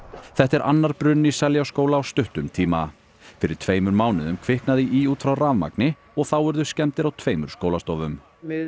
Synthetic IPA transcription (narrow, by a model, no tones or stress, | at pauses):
θɛht̪ɛɾʔa̰nːaɾ̥pɾʏnːisɛljawskoːwlaːwst̪ʏht̪ʏmt̪ʰiːma | fɪɾɪɾ̥t̪ʰveːjmʏɾmaːwnɪðʏmkʰvɪhknaðɪʔiuːt̪fɾawraːvma̰knɪ | ɔɣθawɛɾðʏscɛnt̪ɪɾawt̪ʰveːjmʏɾ̥skoːwlast̪ɔvʏm